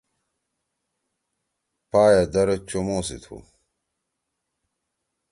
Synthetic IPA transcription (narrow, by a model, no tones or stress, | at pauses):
paːjad̪ɐɾɐt͡ɕomoːsḭt̪ʰṵ